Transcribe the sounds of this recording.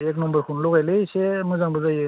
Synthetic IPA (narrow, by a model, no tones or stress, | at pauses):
eknɔmbəɾkʰunloɡajlesemuzaŋbuzaje